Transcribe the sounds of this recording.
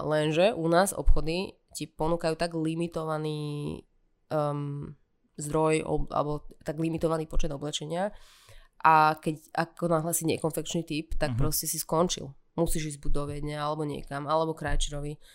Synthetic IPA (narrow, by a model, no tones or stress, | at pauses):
lɛnʒɛʔunaːzɔ̰pxɔd̪i | cipɔnuːkajuːt̪aɡlimit̪ɔʋaniː | m | zd̪ɾɔjɔ̰a̰lɛbɔt̪aɡlimit̪ɔʋaniːpɔt͡ʃɛd̪ɔblɛt͡ʃɛɲɪa | ʔakɛca̰kɔnaɦlaːsiɲɛkɔnfɛkt͡ʃnit̪ipt̪ak̚pɾɔscɛsiskɔnt͡ʃḭlˠ | musiːʒiːvbud̪ɔʋɛdɲɛalɛbɔɲɪɛ̰kamalɛbɔkɾajt͡ʃiɾɔʋi